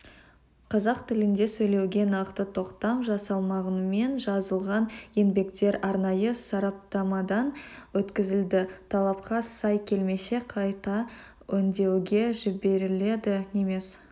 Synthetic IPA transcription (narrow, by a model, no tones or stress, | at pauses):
qʰɑzɑq̚t̪ʰɪlɪnd̪e̞sɵjle̞wɡʲe̞nɑqt̪ət̪ʰo̞qt̪ɑmʒɑsɑlˠmɑʁənme̞nʒɑzəlˠʁɑnje̞nbe̞kt̪e̞ɾɑɾnɑjəsɑɾɑp̚t̪ɑmɑd̪ɑnwɵt̪kʲɪzɪld̪ɪt̪ʰɑlˠɑp̚qɑsɑjkʲʰe̞lme̞se̞qʰɑjt̪ɑ | ʏnd̪e̞wɡʲe̞ʒɪbe̞ɾɪle̞d̪ɪneme̞s